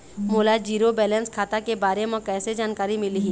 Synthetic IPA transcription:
moːlad͡ʒiːɾobɛːlənskʰaːt̪akebaːɾemẽkɛːsed͡ʒaːnkaːɾimɪliɦĩː

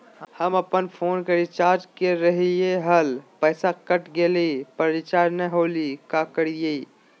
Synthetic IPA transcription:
həməpənpʰoːnkəɾit͡ʃaːɾd͡ʒkeɾəɦijeɦəlpəːsakəʈɡelipəɾit͡ʃaːɾnɛɦoːlikakəɽije

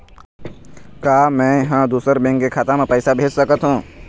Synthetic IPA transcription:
kaːmɛ̃ɦãd̪uːsəɾbẽːŋkkekʰaːt̪ãmẽpəːsabʱeːd͡ʒsəkət̪ɦũː

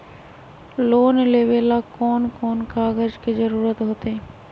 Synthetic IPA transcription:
loːnleʋelakɔːnkɔːnkaːɡəd͡ʒked͡ʒəɾuːɾət̪ɦoːt̪e

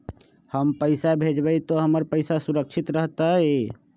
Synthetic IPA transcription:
həmpəɪsabʱed͡ʒbəjt̪ɔɦəməɾpəɪsasuɾəkt͡ʃʰit̪ɾəɦt̪aɦɛ

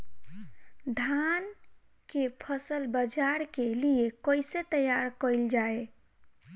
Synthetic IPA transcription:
d̪ʱan | kepʰəsəlbəd͡ʒaɾkeliekəjset̪əjaɾkəɪld͡ʒae

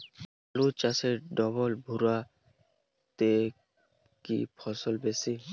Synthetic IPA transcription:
alut͡ʃaseɾɖɔβɔlbʱuɾa | t̪e | kḭpʰɔsɔlbesi

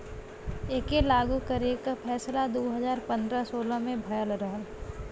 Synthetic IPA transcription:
eːkelaːɡukəɾekapʰɛːslad̪oːɦəzaːɾpə̃nd̪ɾasoːlamẽbʱɐjəlɾəɦəl

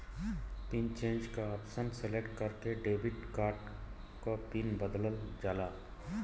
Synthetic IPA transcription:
pint͡ʃẽːnd͡ʒkaɔːpsənselekʈ̚kəɾkeɖeːbɪʈkaːɾʈ | kopinbəd̪ləld͡ʒaːlaː

